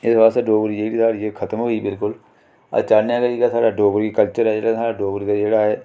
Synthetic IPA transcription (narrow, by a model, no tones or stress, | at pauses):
ɪsbaːst̪ːɖoːɡəɾid͡ʒeːɽiːsʰaːɽiekʰət̪əmɦoːiːbɪlkʊl | a̰t͡ʃaːnejãːkəɾiːkaːsaːɖaːɖoːɡɾkikəlt͡ʃəɾɛːd͡ʒeːɽaːsaːɖaːɖoːɡəɾikad͡ʒeːɽaːɛː